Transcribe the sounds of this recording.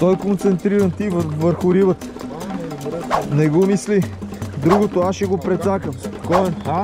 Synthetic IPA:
t̪ɔjkont̪sɛnt̪ɾiɾənt̪ivvəɾxʊɾibət̪ | nɛɡomislid̪ɾuɡot̪oasʃɛɡopɾɛt̪sakəmkɔɛn

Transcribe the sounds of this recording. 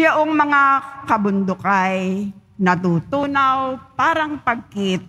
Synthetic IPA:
joʔoŋmɐŋakɐbʊnd̪ʊkaj | nɐt̪ut̪uːnawpaːɾɐŋpɐɡ̚kɪt̪̚

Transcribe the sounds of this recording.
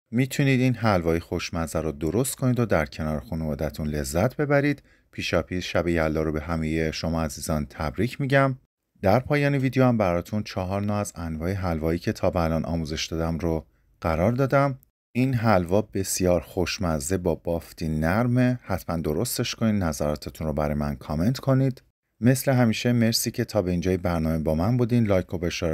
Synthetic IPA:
miːt̪ʰuniːd̪inɦælvɒːexo̞ʃmæzæɾʊd̪o̞ɾost̪kʰo̞nid̪od̪æɾcʰe̞nɒːɾexunevɒːd̪æt̪ʰunle̞zːæt̪ʰbe̞bæɾiːd̪̥ | pʰiːʃɒːpʰiːsʃæbejælːɒːɾobe̞ɦæmejeʃo̞mɒːæziːzɒːnt̪ʰæbɾiːcʰmiːɟæm | d̪̥æɾpʰɒːjɒːneviːd̪ejoæmbæɾɒːt̪ʰunt͡ʃʰɒɦɒːɾnɒːæzænvɒːeɦælvɒːiːcʰe̞t̪ʰɒːbːlɒːnʔɒ̰ːmuze̞ʃd̪ɒːd̪æmɾo | ɢ̥æɾɒːɾd̪ɒːd̪æm | inɦælvɒːbe̞sijɒːɾχo̞ʃmæze̞bɒːb̥ɒːft̪ʰinæɾme̞hæt̪ʰmænd̪o̞ɾo̞st̪e̞ʃkʰoniːd̪næzæɾɒːt̪ʰe̞t̪ʰunrobæɾɒːjmænkʰɒːme̞nt̪kʰo̞niːd̪̥ | me̞sle̞ɦæmiːʃeme̞ɾsiːcʰe̞t̪ʰɒːbe̞iːnd͡ʒɒːjebæɾnɒːme̞bɒːmænbuːd̪iːnlɒːjkʰobeʃeɾ

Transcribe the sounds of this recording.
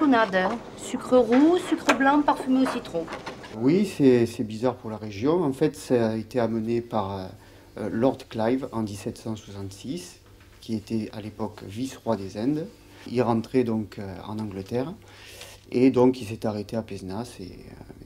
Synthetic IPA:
sonad̪ | sykχəʁusykχəblɑ̃paʁfymeosit̪χõwisɛsɛbizaʁpuʁlaʁeʒjɔ̃ɑ̃fɛt̪saaet̪eamənepaʁø | lɔʁd̪klajvɑ̃d̪isɛt̪sɑ̃swasɑ̃nt̪sis | kʲiet̪ɛalepɔkvisʁwad̪ezɛ̃d̪ | ilʁɑ̃t̪χed̪ɔ̃kʰøɑ̰̃nɑ̃ɡlət̪ɛʁ | ed̪ɔ̃kils̬ɛt̪aʁet̪eapɛznasɛ̰ø̰

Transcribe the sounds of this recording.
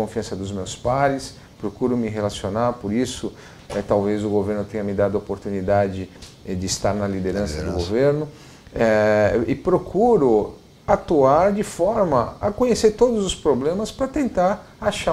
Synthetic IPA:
õfiɐ̃sɐd̪ʊzmewspaɾɪs | pɾokuɾʊmɪɦelasionaɾpoɾisʊ | ɛt̪awvezʊɡoveɾnʊt̪ẽɲɐmɪd̪ad̪ʊɐopoɾt̪unid̪ad͡ʒɪ | ɛd͡ʒɪist̪aɾnɐlid̪eɾɐ̃sɐd̪ʊɡoveɾnʊ | ɛɪpɾokʰuɾʊ | at̪uaɾd͡ʒɪfɔɾmɐɐkõɲeseɾt̪od̪ʊzʊspɾoblẽmɐspɾɐt̪ẽnt̪aɾ | aʃa

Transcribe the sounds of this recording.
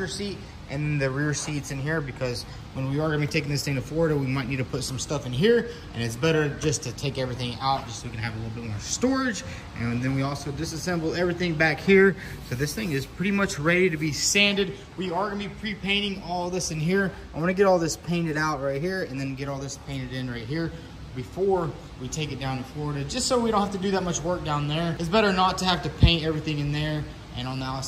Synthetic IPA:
ɹsit | ʔɨ̰̃nðɨ̃nðɨɹɪɹsitsɨ̃nɦiɹbɨkʰʌz | wə̃nwiə˞ɡʌ̃nəbitʰeɪk̬ɪ̃ŋðɪsθɪ̃ŋtɨfɔɹɾəwimaɪtⁿnid̚tɨpʰʊtsʌ̃mstʌfɨ̃nɦiɹʔɨ̰̃ñɨts̬b̥ɛɾə˞d͡ʒʌstʰɨtʰeɪkɛvɹiθɪ̃ŋaʊt̚d̥ʒ̥ʌswikɨ̃nɨɨvəlɪɾl̩ˠbɪt̚mɔɹstɔɹɪd͡ʒ | ʔɨ̃nðɨ̃nwiɔlˠsoʊdɨsɨsɛ̃mbl̩ˠɛvɹiθɪ̃ŋbækhiɹ | soʊðɪsθɪ̃ŋɨz̥pʰɹ̥ɪɾimʌt͡ʃɹɛɾiɾɨbisæ̃ndɨd̚ | wiə˞ɡʌ̃nəbipʰɹ̥ipʰẽɪ̃ɾ̃ɪ̃ŋɔlˠðɪsɨ̃nɦiɹ | aɪwɑñɨɡɛɾɔlˠðɪspʰẽɪ̃ñɨɾaʊt̚ɹaɪt̚ɦiɹɨ̃nðɨ̃nɡɛɾɔlˠðɪspʰẽɪ̃ñɨɾɪ̃nɹaɪt̚ɦiɹ | bɨfɔɹ | witʰeɪkɨt̚d̥ãʊ̃nɨfɔɹəɾɨd͡ʒʌstsoʊwidõʊ̃nthæftɨdɨðət̚mʌt͡ʃwɜ˞k̚d̥ãʊ̃nðə˞ɨtsb̥ɛɾə˞nətʰɨhæftɨpʰẽɪ̃ntɛvɹiθɪ̃ŋɨ̃nðə˞ | ʔɨ̃ñɔnaʊ

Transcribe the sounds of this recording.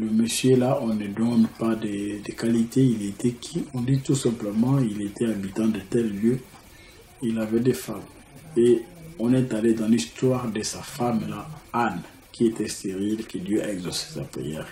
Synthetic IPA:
ləməsjølaʔɔ̃nəd̪ɔnpad̪əd̪əkalit̪eilet̪ɛkʰiɔ̃d̪it̪usɛ̃pləmɑ̃ilet̪ʰɛabit̪ɑ̃d̪ət̪ɛlːjø | ilavɛd̪efam | eɔ̃nɛt̪aled̪ɑ̃list̪waʁd̪əsafamlaan | kʰiet̪ɛst̪eʁilkəd̪jøʔaɛɡzɔse̥sa̰pχḭjɛ̰ːʁ

